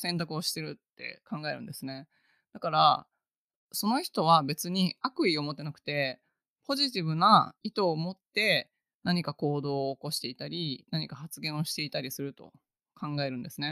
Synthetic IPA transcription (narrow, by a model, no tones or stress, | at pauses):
sẽ̞nt̪akɯo̞ɕi̥t̪e̞ɾɯ̟t̪ːe̞̰kãŋɡae̞ɾɯ̟̃nd̪e̞sɨne̞ | d̪̥akaɾa | so̞no̞çi̥t̪o̞β̞abe̞t͡sɨɲ̟iakɯ̟io̞mo̞t̪ːe̞nakɯ̟̥t̪e̞ | po̞ʑit̪̬ʲiβɯ̟nait̪o̞ːmo̞t̪ːe̞ | naɲ̟ikako̞ːd̪o̞ːko̞ɕi̥t̪e̞it̪aɾʲinaɲ̟ikaɦat͡sɨɡẽ̞ɰ̃o̞ɕi̥t̪e̞it̪aɾʲisɨɾɯ̟t̪o̞̰ | kʰãŋɡae̞ɾɯ̟̃nd̪e̞sɨne̞